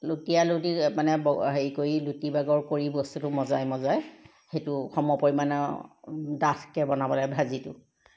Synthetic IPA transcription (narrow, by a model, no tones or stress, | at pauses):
lutialutimanɛbɔɦeikojilutibaɡɔɹkoɹibɔstutʊmɔzajmɔzaj | xejtʊxɔmɔpɔɹimanɔ | datkɛbɔnabɔlajbʱazitʊ̰